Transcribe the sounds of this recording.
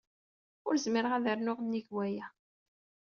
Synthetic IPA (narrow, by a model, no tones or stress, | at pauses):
ʊɾzməɾəʁæðəɾnʊʁnːiʝwæjæ